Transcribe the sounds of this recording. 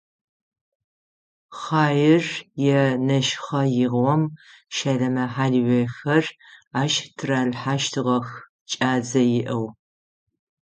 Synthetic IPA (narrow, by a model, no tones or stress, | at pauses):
χɑːjɪrjɛnɐʃχɐjɪʁʷɔm | ʃɐɮɐmɐħaːɮwexɐraːʃtʰɨraːɮħaːʃtʰɨʁɐx | t͡ʃʼaːd͡zɐjɪʔɐw